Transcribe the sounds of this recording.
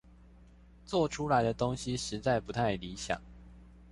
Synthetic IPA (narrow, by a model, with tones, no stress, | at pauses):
t͡swɔ˥˩ʈ͡ʂʰu˥la˧˥ɪd̪ə˧t̪ʊ˥ŋɕi˨ʂɻ̩˧˥t͡sa˥˩ɪpu˧˥t̪ʰa˥˩ɪli˧˥ɕjɑ̰˨˩˦ŋ